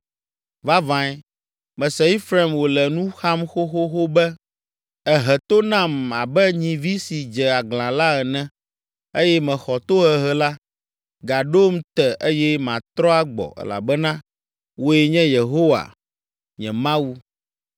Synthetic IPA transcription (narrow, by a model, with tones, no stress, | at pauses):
va˦vã˨˦ɛ˦ | mɛ̃˨sɛ˨i˦fɾa˨mwo˨lɛ˨nũ˦xa˦mxo˦xo˦xo˦bɛ˦ | ɛ˨ɦɛ˨t̪o˦nã˦˨ma̰˨bɛ˦ɲĩ˨vi˦si˨d͡ʒɛ˨a˨ɡlã˨la˦ɛ˨nɛ̃˦ | e˦jɛ˦mɛ̃˨xɔ˨t̪o˦ɦɛ˨ɦɛ˦la˦ | ɡa˨ɖo˦mt̪ɛ˨ʔe˦jɛ˦mã˨t̪ɾɔ˦a˦ɡ͡bɔ̰˨ɛ̰˨la̰˨bɛ˦nã˦ | wo˦ɛ˦ɲɛ̃˦je˨ɦo˦wa̰˨ | ɲɛ̰̃˨mã˦wu˦